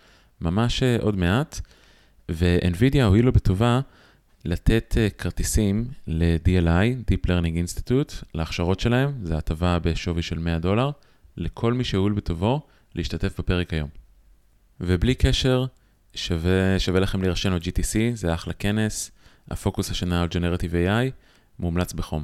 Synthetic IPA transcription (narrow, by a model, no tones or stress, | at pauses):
mamaʃeʔo̞dme̞at | veʔenvidjaoilobetova | late̞tʰekʰaʁtisimle̞dielajdipleʁniŋɡinst̪i̥t̪utleaχʃaʁo̞tʃe̞lae̞mzeatavabeʃo̞viʃelme̞ado̞laʁ | lekʰo̞lmiʃeulbeto̞vo̞ | leiʃtate̞fbepe̞ʁekajo̞m | veblikeʃe̞ʁ | ʃaveʃavelaχe̞mliʁaʃenot̚d͡ʒitisizeaχlake̞ne̞s | ha̰fo̞kushaʃanaːld͡ʒeneʁat̪ivejaj | mumlat͡sbeχo̞m